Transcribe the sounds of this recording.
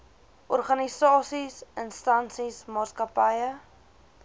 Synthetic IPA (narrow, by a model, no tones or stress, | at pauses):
ʔɔrχɐnisɑːsisənstɐnsismɑːskɐpɐjə